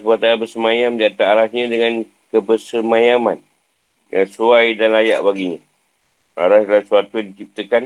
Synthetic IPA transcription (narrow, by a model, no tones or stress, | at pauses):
buat̪abəsəmãjamd͡ʒat̪aːɾasɲãdəŋan | kəbəsəmãjaman | jaŋsuajdanlajaʔbaɡiɲã | a̰ɾaslasuat̪ujdikip̚t̪əkan